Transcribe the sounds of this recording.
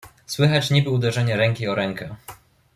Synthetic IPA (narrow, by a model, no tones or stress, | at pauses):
swɘxat͡ɕɲibɘud̪ɛʐɛɲɛɾɛŋkʲiɔɾɛŋkɛ